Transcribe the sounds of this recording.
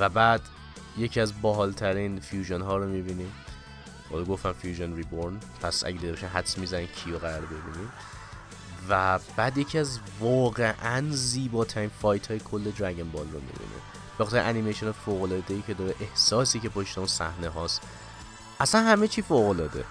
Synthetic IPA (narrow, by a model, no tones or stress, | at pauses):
væbæːd̪̥ | je̞cʰiæzbɒːɦɒːlt̪ʰæɾiːnfjuːʒonɦɒːɾomibiːnim | bɒ̰loɡoft̪æmfjuːʒonriboɾn | pʰæsʔæ̰ɟed̪id̪eɒʃimɦæt̪smizænimcʰiːjoɣæɾɒːɾbe̞bḭːnim | væb̥æːd̪je̞cʰiæzvɒːɣe̞ʔænziːbɒːt̪ʰæɾiːnfɒːjt̪ʰhɒːjekʰolːe̞d̪ɾæɡenbɒːlromḭbḭnʔḭ | b̥exɒt̪ʰeɾḭʔænimejʃonɑfoːɣolɒːd̪e̞jiːcʰe̞d̪ɒːɾeʔehsɒːsiːcʰe̞pʰoʃt̪eunsæ̰hneɦɒːst̪ | ʔæsænhæme̞t͡ʃʰiːfoːɣo̞lɒːd̪e̞̰